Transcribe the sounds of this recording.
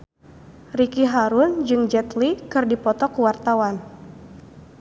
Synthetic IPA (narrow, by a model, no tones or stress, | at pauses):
rikiɦaɾʊnd͡ʒɨŋd͡ʒɛt̪likɨrdipɔt̪ɔkuwart̪awan